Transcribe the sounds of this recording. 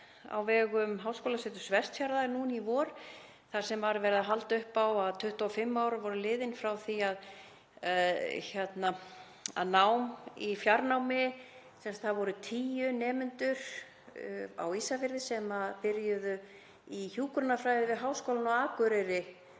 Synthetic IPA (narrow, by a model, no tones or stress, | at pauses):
a̰wvɛːɣʏmɦaːwskowlasɛt̪ʏ̥svɛst̪fjaɾðaɾnuːnivɔːɾ | θaɾ̥sɛmvaɾvɛɾɪðaɦalt̪ʏhpawaðt̪ʰʏht̪ɔɔfɪmːawɾʏvɔɾʏlɪːðɪnfɾawθiað | aðçjɛt̪na | a̰ðnawmifjaɾnawmɪ | sɛmst̪θaðvɔɾʏt̪ʰiːjʏnɛːmʏnt̪ʏɾ̥ | a̰wiːsafɪɾðɪsɛmapɪɾjʏðʏ | içuːkɾʏnafɾajðɪvɪðɦawskowlanɔaːkʏɾɛɾɪ